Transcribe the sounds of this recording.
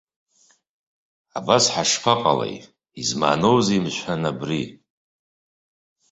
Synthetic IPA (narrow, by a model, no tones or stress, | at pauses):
abasħaʂpʰaqʼalḛj | izma̰ːnowzeimʃʷħanabri